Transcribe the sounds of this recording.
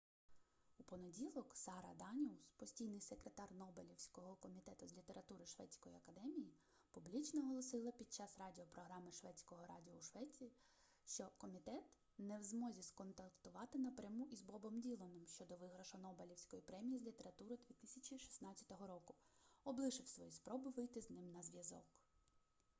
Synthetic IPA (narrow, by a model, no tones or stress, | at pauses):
upɔnedʲilˠɔksɑɾɐ̰d̪ɑnʲiwspɔsʲtʲijnɪjsekɾet̪ɑrnɔbelʲiwsʲkɔɦɔkɔmʲit̪ɛt̪ʊzʲlʲit̪e̞ɾɐt̪uɾɪʃʋɛ̰t͡sʲkɔjiɐkɐd̪ɛmʲiji | publʲit͡ʃnɔɦɔlˠɔsɪlˠɐpʲid̪̥̚t͡ʃɑsrɑdʲiɔpɾɔɦɾɑmɪʃʋɛt͡sʲkɔɦɔɾɑ̰dʲiɔuʃʋɛt͡sʲii | ʃt͡ʃɔkɔmʲit̪ɛt̪ | nɛwzmɔzʲiskɔnt̪ɐkt̪ʊʋɑt̪ɪnɐpɾʲɐmuʔizbɔbɔmdʲilˠɔnɪmʃt͡ʃɔd̪ɔʋɪɦɾɐʃɔnɔbelʲiwsʲkɔjipɾɛmʲijizʲlʲit̪eɾɐt̪uɾɪd̪ʋʲit̪ɪsʲɐt͡ʃʲiʃi̥snɑt͡sʲɐ̥t̪ɔɦɔɾɔkʊɔblˠɪʃɪwsʋɔjispɾɔbɪʋɪjt̪ɪznɪmnɐzʲʋʲjɐzɔ̰k